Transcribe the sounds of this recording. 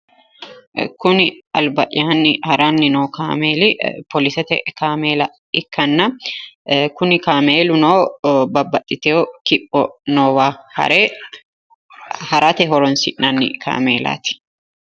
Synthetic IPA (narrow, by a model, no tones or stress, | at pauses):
kʊnɪɐlbɐʔɪaːnːɪhɐɾaːnːɪnoːkaːmeːlɪpɔlɪsɛt̪ɛ̰kaːmeːlɐ | ɪkːɐnːɐ | kʊnɪkaːmeːlʊnoːbɐbːɐt̪ʼːɪt̪ɛokɪpʼːɔ̰noːwaːhɐ̰ɾeː | hɐɾʔat̪ɛɦɔɾɔnsɪ̰ʔnɐnːɪ̰kʰa̰ːmeːla̰ːt̪ɪ̥